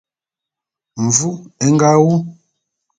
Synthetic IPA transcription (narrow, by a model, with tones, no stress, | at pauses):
ɱ˨vu˦ɛ˦ŋ˦ɡa˦wu˦